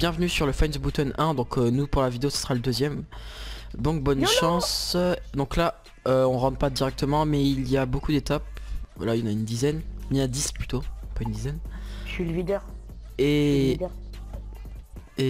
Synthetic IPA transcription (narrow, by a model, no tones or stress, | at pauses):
b̥jɛ̃vnysyʁləfɛnzbut̪ɔnʔɛ̃d̪ɔ̃kʰønupuʁlavid̪eosə̥səʁaləd̪øzjɛm | bɔ̃kbɔnʃɑ̃sd̪ɔ̃kla | øɔ̃ʁɑ̃d̪pad̪iʁɛk̚t̪əmɑ̃mɛilijabokud̪et̪ap̚vwa̰lailɑnaynd̪izɛnnad̪isplyt̪opaynd̪izɛnʃylvid̪ɛ | e | e